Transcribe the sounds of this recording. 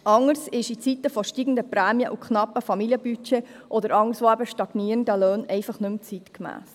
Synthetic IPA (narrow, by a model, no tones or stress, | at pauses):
ʔɑŋəɾsɪʃit͡sit̪əfɔʃtiɡən̩d̪əpɾæːmjəʔukχnɑpːəfɑmiliəbyt͡ʃeʔɔd̪əɾɑŋəɾsʋoæbəʃtɑɡ̥niːɾəndəløːnɛɪfɑχnʉmt͡sit̪kmæ̰ːs